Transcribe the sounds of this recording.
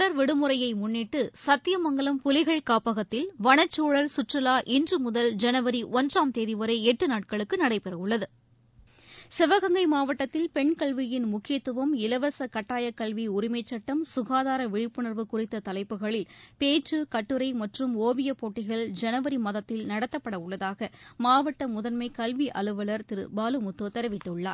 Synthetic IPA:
ɐɾʋɛɽɯmɯɾɐjɐɪmʊnːɪʈːɯsɐt̪ːɪjɐmɐŋɡɐɭɐmpʊlɪɣɐɭkaːpɐɣɐt̪ːɪlʋɐnɐt͡ʃːuːɭɐlsʊʈrɯlaːʔɪndrɯmʊðɐld͡ʒɛnɐʋɐɾiʔɔndraːmt̪eːðiʋɐɾɐɪɛʈːɯnaːʈ̚kɐɭɯkːɯnɐɽɐɪpɛrɐɯɭːɐðɯ | sɪʋɐɣɐŋɡɐɪmaːʋɐʈːɐt̪ːɪlpɛɳkɐɭʋɪjɪnmʊkːɪjɐt̪ːɯʋɐmɪlɐʋɐsɐkɐʈːaːjɐkːɐlʋiʊɾɪmɐɪt͡ʃːɐʈːɐmsʊɣaːðaːɾɐʋɪɻɪpːɯɳɐɾʋɯkʊrɪt̪ːɐt̪ɐlɐɪpːɯɣɐɭɪlpeːʈrɯkɐʈːɯɾɐɪmɐʈrɯmoːʋɪjɐpːoːʈːɪɣɐɭd͡ʒɛnɐʋɐɾimɐðɐt̪ːɪlnɐɽɐt̪ːɐpːɐɽɐʊɭːɐðaːɣɐmaːʋɐʈːɐmʊðɐnmɐɪkɐlʋiʔɐlɯʋɐlɐɾt̪ɪɾɯ̰baːlɯmʊt̪ːoːt̪ɛɾɪʋɪt̪ːɐɯɭːa̰ːɾ

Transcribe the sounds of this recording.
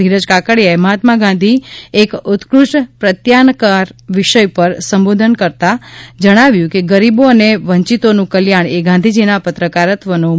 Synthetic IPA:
iɾəd͡ʒkakəɽjaeməɦat̪maɡãnd̪ʱiekʊt̪kɾuʃʈpɾət̪jankaɾʋiʃəjpəɾsəmbod̪ʱənkəɾt̪ad͡ʒəɽ̃aʋjũkeɡəɾiboəneʋəɲt͡ʃit̪onũkəljaɳ̃eɡãnd̪ʱid͡ʒinapət̪ɾəkaɾət̪ʋənõ

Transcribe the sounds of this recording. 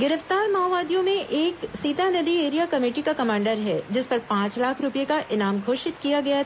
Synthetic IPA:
ɡɪɾəft̪aːɾmaːʋaːd̪ijõmẽʔeːksiːt̪anɐd̪ieːɾijakɐmeːʈikakɐmãːɳɖəɾɦɛd͡ʒɪspɐɾpãːt͡ʃlaːkʰɾʊpijekaʔɪnaːmɡʱoːʃɪt̪kijaɡɐja

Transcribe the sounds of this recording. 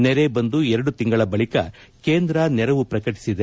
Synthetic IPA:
nɛɾe̞bɐnd̪uɛɾɐɽut̪iŋɡɐɭɐbɐɭikɐ̰ | ke̞ːnd̪ɾɐnɛɾɐʋupɾɐkɐʈi̥sid̪e

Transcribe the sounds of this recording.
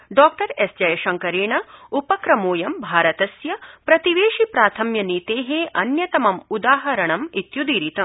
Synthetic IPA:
ɖɔːk̚ʈɐɾesd͡ʒɐjɐʃɐŋkɐɾeːɳɐupɐkɾɐmoːjɐmbʱaːɾɐt̪ɐsjɐpɾɐt̪iʋeːʂipɾaːt̪ʰɐmjɐniːt̪eːɦeːʔɐnjɐt̪ɐmɐmud̪aːɦɐɾɐɳɐmit̪jud̪iːɾit̪ɐm

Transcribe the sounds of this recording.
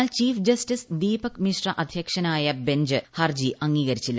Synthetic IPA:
alt͡ɕiːfd͡ʑɐstisd̪iːbɐkmiʂrɐʔɐd̪ʱjekʂɐnaːjɐbeɲd͡ʑɨhɐrd͡ʑiʔɐŋːiːɣɐɾit͡ɕːilː

